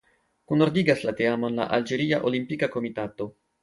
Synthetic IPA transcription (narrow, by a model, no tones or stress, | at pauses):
kunoɾdiɡaslate̞amo̞nla̰ʔald͡ʒe̞ɾiaʔolimpikako̞mitato̞